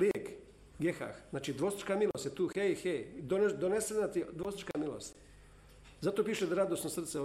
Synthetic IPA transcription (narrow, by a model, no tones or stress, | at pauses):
liek | ɡjexa̰xznaːt͡ʃid̪ʋosi̥t͡ʃkamilost̪jet̪uːxejxejd̪ond̪onesenat̪id̪ʋosit͡ʃkamilo̰st̪ | zat̪opiːʃed̪aɾad̪osnosr̩t̪se